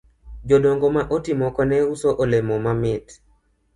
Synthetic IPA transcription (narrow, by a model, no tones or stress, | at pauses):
d͡ʒodoŋɡomaʔotimɔkɔnɛusoʔolemɔmamɪt